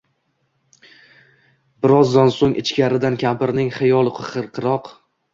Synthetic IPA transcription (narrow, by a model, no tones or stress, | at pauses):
bɪɾɒzd̪ansoŋʔɪt͡ʃkʲaɾɪd̪ankʲʰapɪɾnɪŋχɪjɒlˠqʰʊχɨɾqʰɨɾɒq